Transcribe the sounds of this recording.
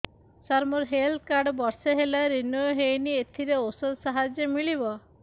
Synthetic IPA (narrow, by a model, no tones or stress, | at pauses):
saɾmɔɾɦeld̪kaɾɖɔbɔɾseɦelaɾinɔjɔɦejniet̪ʰiɾeosɔd̪saɦad͡ʒjemiɭibɔ